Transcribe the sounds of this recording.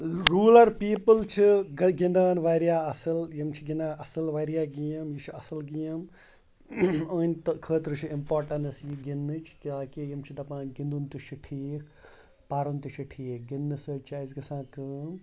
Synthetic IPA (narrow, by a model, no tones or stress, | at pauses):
ɾuːlɐɾpiːpɨlt͡ʃʰiɡɐɡĩnd̪aːnʋaɾjaːɐsɐljimt͡ʃʰiɡind̪aːʔɐsɨlʋaɾjaːɡijɐmjit͡ʃʰɐsɐlɡijɐm | əːnʲt̪ɐkʰəːt̪ɾɨt͡ʃʰiimpoːɾʈɐnɐsjiɡinːɨt͡ʃʰkʲaːkejimt͡ʃʰid̪ɐpãːɡĩnd̪unt̪ut͡ʃʰiʈʰiːkʰ | paːɾunt̪ut͡ʃʰiʈʰiːk̚ɡinːɨsɐt͡ʃʰaːzɡɐsãːk̪ɨm